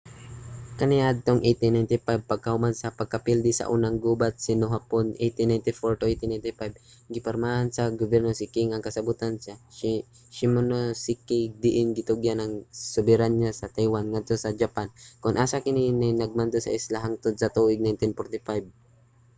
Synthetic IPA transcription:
kɐnɪʔad̪̚t̪oŋʔejt̪ɪnajnt̪ɪpajb̚pɐɡ̚kɐhʊmansɐpɐɡ̚kɐpild̪ɪsɐ̰ʔuːnaŋɡuːbat̪̚sɪnoɦaponʔejt̪ɪnːajnt̪ɪfoɹt̪ʊʔejt̪ɪnajnt̪ɪpajb | ɡɪpɐɾmahansɐɡobɛɾnosɪkɪŋɐŋkɐsɐbut̪ansa | ʃɪmonosɪkɪɡ̚d̪ɪʔɪŋɡɪt̪ʊɡjanɐŋsʊbɪɾanɲasɐt̪ajwanŋad̪̚t̪o̞sɐd͡ʒapankʊnʔaːsakɪninɛjnɐɡ̚mand̪osɐ̰ʔɪslaɦaŋt̪od̪̚sɐt̪uːʔɪɡ̚najnt̪ɪnpoɾt̪ɪfajb̚

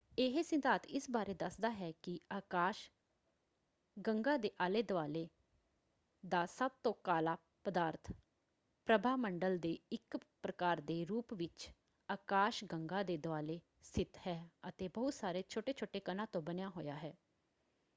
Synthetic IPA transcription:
eːɦesɪ̃nd̪aːt̪ɪsbaːɾeːd̪əsd̪aːɦɛːkɪaːkaːʃ | ɡəŋɡãːd̪eːʔaːleːd̪ʊaːleː | d̪aːsəb̚t̪õːkaːlaː | pəd̪aːɾt̪ʰ | pɾəbʱaːməɳɖəld̪eːɪkpɾəkaːɾd̪eːɾuːpʋɪt͡ʃ | aːkaːʃɡəŋɡãːd̪eːd̪ʊaːleː | st̪ʰɪt̪hɛːət̪eːbəɦʊt̪saːɾeːt͡ʃʰoːʈeːt͡ʃʰoːʈeːkənãːt̪õːbənejaːɦoːjaːɦɛː

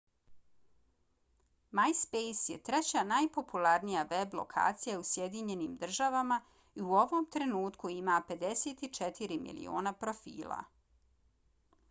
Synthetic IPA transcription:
majspejsjet̪ɾet͡ɕanajpo̞pulaɾnijaʋe̞blˠo̰kʰa̰ːt̪sijausje̞d̪iɲe̞niːmd̪r̩ʒaʋama | iuo̞ʋo̞mt̪ɾe̞nuːt̪kuimape̞d̪e̞seːt̪it͡ʃet̪ʰiɾimḭlḭo̰ːnapɾo̞fḭːlˠa̰

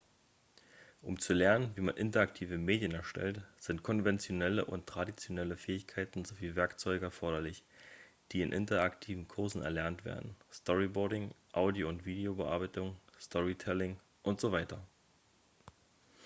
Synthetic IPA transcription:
ʔʊmt͡sulɛɐnənviːmanʔɪntɐaktʰiːvəmeːdjənɛɐʃtɛ̰ltz̥ɪntkʰɔnvɛnt͡sjonɛləʔʊntʁ̥adit͡sjonɛləfɛːɪçkʰaɪtn̩zoviːvɛɐkt͡sɔʏɡəɛɐfɔɐɾɐlɪç | d̥iːɪnʔɪ̰ntɐaktʰiːvn̩kʰʊɐzn̩ɛ̰ɐlɛɐntv̥ḛːɐdn̩stɔʁibɔɐɾɪŋʔaʊdioʊntv̥iːdeobəʔa̰ɐbaɪtʊŋstʰɔʁitʰɛlɪŋ | ʔʊntz̥ovaɪtɐ

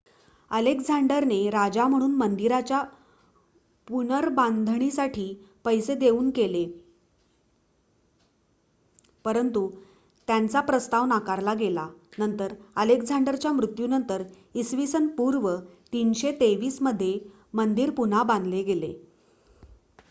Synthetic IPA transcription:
əlekd͡zʱaɳɖəɾneɾad͡ʑam̤əɽ̃uːnmənd̪iɾat͡ɕja | punəɾband̪ʱɳ̃isaʈʰiːpəjsed̪euːnkele | pəɾənt̪u | t̪jant͡sapɾəst̪aʋnakaɾlaɡelanənt̪əɾəlekd͡zʱaɳɖəɾt͡ɕjamɾut̪junənt̪əɾ | isʋisənpuɾʋət̪inɕet̪eʋiːsməd̪ʱːje | mənd̪iːɾpun̤abãnd̪ʱleɡelḛ

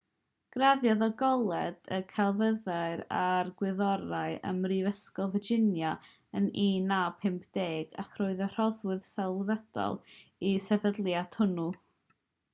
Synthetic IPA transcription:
ɡ̥raðjaðɔɡɔlˠɛdəkʰɛlˠvəðaɨɾa̰rɡwɪðɔɾaɨə̰mrivəskɔlˠvəd͡ʒɪnja | əniːnapʰɪmpʰd̥eːɡa̰kʰroːɨðər̥ɔðwɨð̥sɛlˠvɛd̥ɔ̰lˠisɛvədlˠjatʰhʊnu

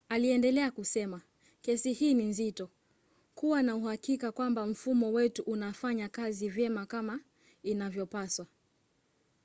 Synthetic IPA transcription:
aliɛndɛlɛakusɛma | kɛsihiːninzitɔ | kuwanauhakikakwambam̩fumɔwɛtuʔunafaɲakazivjɛmakama | inavjɔpaswa

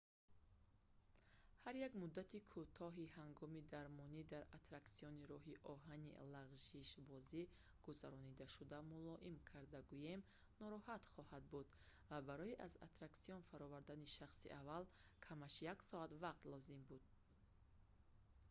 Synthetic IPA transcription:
haɾjaɡmud̪ːat̪ʰikʰut̪ʰɔɦihaŋɡɔmid̪aɾmɔnid̪aɾat̪ɾaksiɔniɾɔɦiʔɔɦanḭlaʁʒiʃbɔzi | ɡ̥uzaɾɔnid̪aʃud̪amulɔʔimkʰaɾd̪aɡujemnɔɾɔhat̪χɔhad̪̚bud̪ | vabaɾɔiʔaza̰t̪ɾaksijɔnfaɾɔvaɾd̪aniʃaχsḭʔavalkʰamaʃjaksɔat̪vaq̚t̪lɔzimbud̪̥

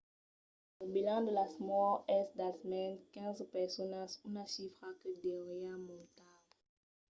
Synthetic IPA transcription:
ləbilɑ̃d̪əlasmɔʁɛsd̪asmɛnkɛ̃zpɛʁsɔnasunaʃifʁakədeʁjamɔ̃t̪al

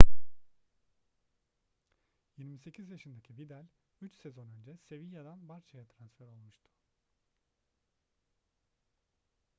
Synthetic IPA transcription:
jiɾmise̞cʰizjaʃɯnd̪acʰibid̪ælʲ | yt͡ʃse̞zo̞nø̞nd͡ʒɛse̞vijad̪anbaɾt͡ʃʰajat̪ʰɾansfæɾo̞lˠmuʃt̪ʰʊ̥

